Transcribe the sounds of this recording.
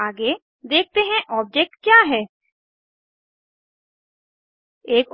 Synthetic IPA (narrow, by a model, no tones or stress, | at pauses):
aːɡe | d̪eːk̚ʰt̪eɦɛ̃ʔɔːb̚d͡ʒek̚ʈkjaːɦɛː | eːk